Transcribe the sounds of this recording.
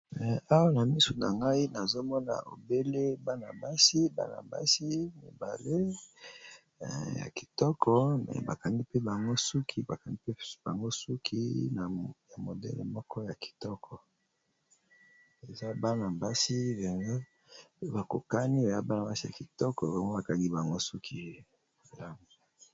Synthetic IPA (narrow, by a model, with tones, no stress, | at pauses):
mɛ˨a˦wa˦na˨mi˦su˨na̰˨ŋɡa˦i˦na˨zo˦mɔ˦na̰˨o̰˨be˦le˦ba˦na̰˨ba˦si˦ba̰˦na̰˨mba̰˦si˦mi˨ba˨le˦˨ | ja̰˨ki̥˨tɔ˦kʰɔ˦mɛ̰˨ba˨ka˨ndi˦pe˦ba˨ŋɡo˦su˦kʰi˦ba˨ka˨ni˦pe˦b̥a˨ŋɡo˦su˦kʰi˦na˨ja˨mo˨dɛ̰˦lmɔ˦kɔ˦ja˨ki̥˨tɔ˦kʰɔ˨ | e˨za˦ba˦na˨mba˦si˦ba˨ŋo˦ | ba˨ko̰˨ka˦ni˦e˨za˦ba˦na˨ba˦si˦ja̰˨ki˨tɔ˦kɔ˨ba˨ŋɡo˦ba˨ka˨ŋɡi˦ba˨ŋɡo˦su˦kʰi˦˨ | la˦ŋo˨